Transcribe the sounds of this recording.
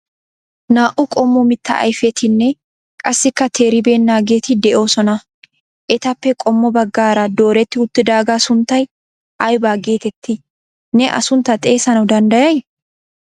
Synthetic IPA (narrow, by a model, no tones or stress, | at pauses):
naːʔʊkʼɔmːʊmɪt̪ːɐ̰ʔɐ̰jfɛt̪ɪnːɛ | kʼɐsːɪkːɐt̪ʰeːɾɪbe̞ːnːaːɡe̞ːt̪ɪd̪ɛʔo̞ːsɔnɐ | ʔɛt̪ɐpːɛkʼɔmːɔbɐɡːaːɾɐd̪o̞ːɾɛt̪ːɪʊt̪ːɪd̪aːɡaːsʊnt̪ːɐj | ʔɐjbaːɡeːt̪ɛt̪ʰːɪ | nɛʔɐ̰sʊnt̪ːɐt̪ʼe̞ːsɐnɐwd̪ɐnd̪ɐjɐj